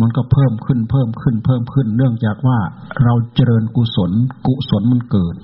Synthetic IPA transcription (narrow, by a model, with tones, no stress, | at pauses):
ma˧˨nkɔ˧˩pʰɤː˥˩mkʰɯ˧˥˩npʰɤː˥˩mkʰɯ˧˥˩npʰɤː˥˩mkʰɯ˧˩nːɯ˥˩əŋt͡ɕaː˨˩k̚waː˧˩ɾa˧wt͡ɕa˧ɾɤː˧nku˨˧˨so˩˦nku˧so˩˦nma˧˥nkɤː˨˩t̪̚